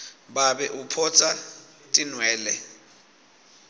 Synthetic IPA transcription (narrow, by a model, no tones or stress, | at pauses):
ɓaɓɛʔupʰɔt͡sʰʼa | tʼinwɛːlɛ